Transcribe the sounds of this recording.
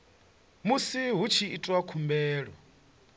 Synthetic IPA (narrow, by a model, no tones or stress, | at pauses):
musiɦut͡ʃʰiːtʼwakʰumbɛːɺɔ̰